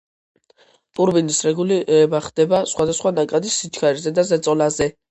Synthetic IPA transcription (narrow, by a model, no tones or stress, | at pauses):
tʼuɾbinisɾɛɡuliɾɛbaχd̪̥ɛbasχwad̪asχwanakʼad̪isːit͡ʃʰkʰaɾizɛd̪azɛt̪sʼɔlazɛ